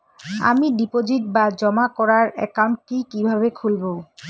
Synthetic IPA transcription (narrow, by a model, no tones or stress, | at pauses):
a̰miɖipod͡ʑiʈ̚bad͡ʑɔmakɔɾaɾɛ̰kawɳʈ̚ʈikibʱaβekʰulbo